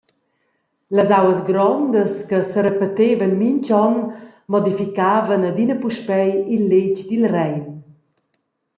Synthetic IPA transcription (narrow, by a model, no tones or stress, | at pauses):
ləzawəzɡɾɔnd̪əskəsəɾəpət̪evənmiɲt͡ɕɔnmɔd̪ifikaːvənəd̪inəpuʃpɛjilːecd̪ilrɛjn